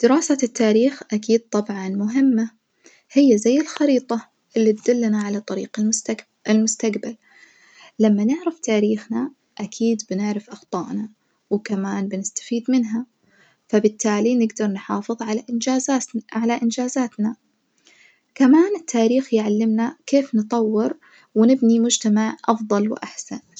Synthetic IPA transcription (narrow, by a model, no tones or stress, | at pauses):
d̪̥ɪɾaːsat̪ʰːaːɾiːxʔakiːd̪̚t̪ˤɑbʕɑnmʊɦɪmːa | hɪjːazajːɪlxɑɾiːt̪ˤɑ | ʔɪlːit̪d̪ʊlːanaʕalat̪ˤɑɾḭːqa | ɪlmʊst̪aɡbal | lamːanɪʕɾaft̪aːɾiːxna | ʔakʰiːd̪bɪnɪʕɾɪfʔɑxt̪ˤɑːʔna | wkamaːnbɪnɪst̪ḁfiːd̪mɪnɦa | fabɪt̪ʰːaːlinɪɡd̪ɑɾˤnħɑːfɨðˤʕalaːzaʕalaʔɪnd͡ʒaːzaːt̪na | kamaːnɪt̪ʰːaːɾiːxjʕalːɪmnakeːfnɨt̪ˤɑwːɪɾ | wɪnɪbnimʊd͡ʒt̪amaʕʔɑfðˤɑlwʔaħsan